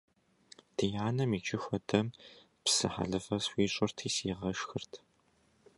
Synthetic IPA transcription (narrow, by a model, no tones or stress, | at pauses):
d̥ɨjaːnɐmit͡ʃʼɪxʷɔdɐm | psɨ̰ħa̰ɮɨfɐsxʷiːɕʼɐrtʰiːsiːʁɐʃxɨrtʰ